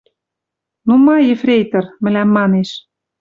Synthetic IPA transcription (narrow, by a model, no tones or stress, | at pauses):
numɑjĕfrʲejt̪ɤ̆rmɘ̆læmːɑneʃ